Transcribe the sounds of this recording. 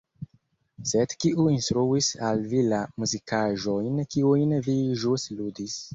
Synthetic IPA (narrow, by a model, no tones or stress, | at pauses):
sedkiʔuinstɾuisalvilamuzikaʒojnkiujnviʒustludis